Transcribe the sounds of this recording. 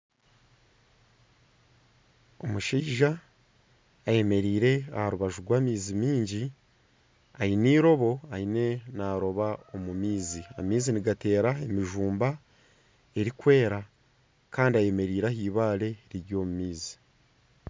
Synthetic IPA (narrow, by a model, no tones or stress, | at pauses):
o̞muʃiːʒa | je̞me̞ɾiːɾe̞a̰haɾuβaʒuɾɡwaːmiːzimiːɲɟi | ainiːɾo̞βo̞aine̞naːɾo̞βaomumiːzia̰miːziniɡate̞ːɾae̞miʒuːmba | e̞ɾikwe̞ːɾa | kaːndiaje̞me̞ɾiːɾahiːβaːle̞ɾiɾjo̞ːmumiːzi̥